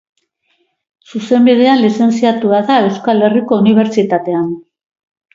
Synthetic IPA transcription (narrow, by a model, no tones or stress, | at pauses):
suse̞mbið̞e̞anlise̞nsiat̪uaðae̞wskale̞riko̞uniβ̞e̞ɾt͡sit̪at̪e̞an